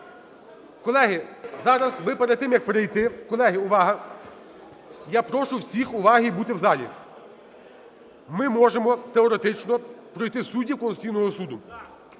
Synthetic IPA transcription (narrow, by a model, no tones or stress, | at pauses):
kɔlˠɛɦɪzɑɾɐzmɪpeɾed̪̚t̪ːɪmjɐk̚pɾejt̪ɪkɔlˠɛɦɪʊʋɑɦɐ | japɾɔʃʊwsʲixʊʋɑɦijbut̪ɪwzɑlʲḭ | mɪmɔʒemɔt̪eɔɾet̪ɪt͡ʃnɔpɾɔjt̪ɪsudʲːiwkɔlʊt͡sʲijnɔɦɔsud̪ʊ